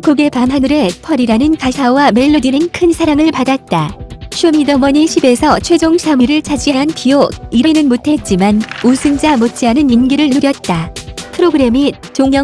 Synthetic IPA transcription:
koɡe̞pamɦanɯɾe̞pʰʌɾiɾanɯnkasʰawame̞ɭːodinɯnkʰɯnsʰaɾaŋɯɭpadat̚t͈aɕʰumidʌmʌɲiɕʰibe̞sʰʌt͡ɕʰwe̞d͡ʑoŋɕʰamɯɾɯɭt͡ɕʰad͡ʑiɦaɦanpioiɾʌnɯnmutʰe̞t̚t͡ɕ͈imanusʰɯnd͡ʑamot͡ɕ͈iɦanɯninɡiɾɯɭnɯɾjʌt̚t͈apʰɯɾoɡɯɾe̞mit͡ɕoŋjʌ

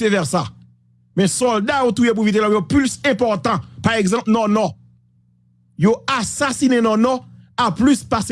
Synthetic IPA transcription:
evɛʁsa | mɛ̃sɔld̪aot̪ujep̬ũvit̪elajoplysɛ̃pɔʁt̪ɑ̃paʁɛɡzɑ̃pnɔnɔ | joasasinenɔnɔaplyspas

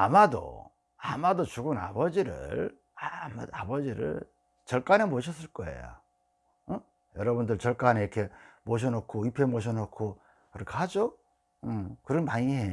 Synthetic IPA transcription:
amado̰ | a̰madot͡ɕuɡɯna̰bʌd͡ʑiɾɯ̰ɭ | amaa̰bʌd͡ʑiɾɯ̰ɭ | t͡ɕʌɭk͈anemoɕ̬ʰʌs͈ɯɭk͈ʌḛjo̰ | jʌɾʌbundɯɭt͡ɕʌɭk͈aneiɾkʰe̞moɕ̬ʰʌnokʰoipʰe̞moɕ̬ʰʌnokʰo | kɯɾʌkʰeɦad͡ʑo | ɯkɯɾʌnpaŋiɦe

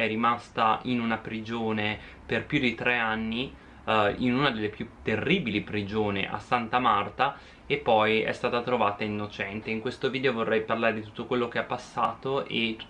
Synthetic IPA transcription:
ɛrimast̪ainunapɾid͡ʒoːne | perpjud̪it̪ɾeanːi | inunad̪elːepjut̪ːerːiːbilipɾid͡ʒoːnḛʔa̰sːant̪amart̪a | epːɔjɛ̰st̪aːt̪at̪ɾovaːt̪ainːot͡ʃɛnt̪eiŋkwest̪oviːd̪eovorːɛjparlaːɾed̪it̪ut̪ːokwelːok̟eapːasːaːt̪oʔe

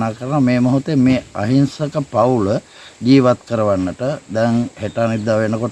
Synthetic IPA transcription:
naːkəɾənameːmoɦot̪emeːaɦinsəkəpaulə | ɡiːʋat̪kəɾəʋanːəʈəd̪ɛŋheʈaːnid̪ːaːʋenəkoʈ

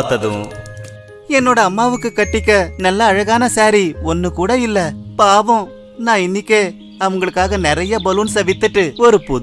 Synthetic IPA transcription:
t̪ːɐðɯ̰̃ | ɛnːoːɽɐːmːaːʋɯkːɯkɐʈːɪkːɐnɐlːɐːɻɐɣaːnɐsaːɾiɔnːɯkuːɽɐɪlːɐpaːʋɔ̃ | nãːɪnːɪkːeː | ɐʋɐŋɡɐɭɯkːaːɣɐnɪɾɐjɐbɐlunsɐʋɪt̪ːɯʈːɯɔɾɯpːʊ

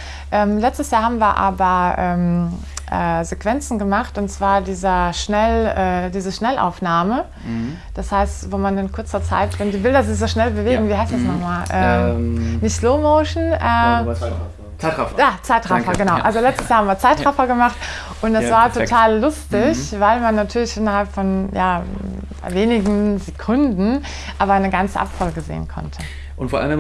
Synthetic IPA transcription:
ʔɛːmlɛt͡stəsjaːɐhaːbm̩viːɐʔa̰ːbɐʔɛːm | ʔɛːzekv̥ɛnt͡sn̩ɡəmaχtʊntt͡sv̥aːɐdiːzɐʃnɛlɛːdiːzəʃnɛlʔa̰ʊfnaːmə | d̥ashaɪstvoːmanɪnkʰʊɐt͡sɐt͡sa̰ɪtvɛndiːbɪldɐzɪçz̥oːʃnɛlbəveːɡŋ̩viːhaɪstd̥asnɔχmaːlʔɛːnɪçtsloːmoʊʃn̩ʔɛː | jaːt͡saɪtʁafɐɡənaʊʔalzolɛt͡stəsjaːhamviːɐt͡saɪtʁʁafɐɡəmaχt | ʔʊntd̥asv̥aːɐtʰotʰaːlːʊstɪçvaɪlmanːatʰyːɐlɪçʔɪnɐhalpfɔnjaː | veːnɪɡŋ̩zekʰʊndn̩ | ʔaːβɐnəɡant͡səʔa̰pfɔlɡəzḛːənkʰɔ̰ntʰə | ʔʊntfoʔa̰lnə

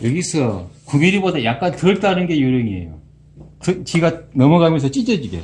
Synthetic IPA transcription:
jʌɡisʰʌkuɡiɾibodajak̚k͈antɯɭt͈aɾɯnɡe̞joɾjʌŋiḛjo̰ | kɯt͡ɕiɡanʌmʌɡamjʌnsʰʌt͡ɕ͈id͡ʑʌd͡ʑiɡḛ

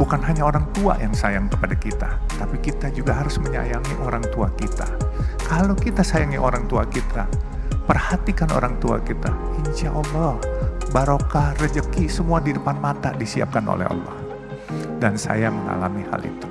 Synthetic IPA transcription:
bukanɦaɲaoɾaŋt̪ua̰jaŋsajaŋkəpadakit̪at̪apikit̪ad͡ʒuɡaɦaɾʊsməɲa̰jaŋiʔoɾaŋt̪uakit̪akalokit̪asajaŋiʔoɾaŋt̪uakit̪ʰa | pərhat̪ikano̰ɾaŋt̪ua̰kit̪ahiɲt͡ʃaʔɔɔbaɾokarəd͡ʒəkisəmuadidəpanmat̪a̰disia̰p̚kano̰lɛ̰ɦa̰lːɔ̰h | dansa̰jaməŋa̰la̰miha̰lʔḭt̪u̥

